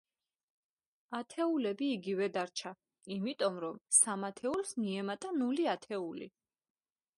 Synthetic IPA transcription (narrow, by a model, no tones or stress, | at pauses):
at̪ʰɛulɛbiːɡivɛd̪aɾt͡ʃʰa | imit̪ʼɔmɾɔmsamat̪ʰɛulsmiɛmat̪ʼanuliat̪ʰɛulḭ